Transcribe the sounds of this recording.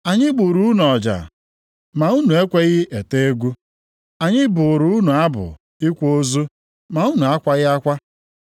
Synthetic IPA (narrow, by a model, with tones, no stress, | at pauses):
a˨ɲɪ˦ɡ͡bu˨ɾu˦u˦n˨ɔ˨d͡ʒa̰˨ | ma˨u˦nu˨e˦kʷe˦ɣɪ˦ʔe˨te˦e˦ɡʷu˦ | a˨ɲɪ˦bʊ˨ɾʊ˨˦u˦nu˨a˦bʊ̰˨ | ɪ˦kʷo˦zu˦ | ma˨u˦nu˨a˦kʷa˦ɣɪ˦a˦kʷa˦